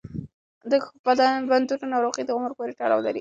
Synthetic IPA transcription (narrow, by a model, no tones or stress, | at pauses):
d̪əpad̪aband̪uʈanɑɾoqid̪əɣʊməɾpoɾeʈɑla̰wlaɾi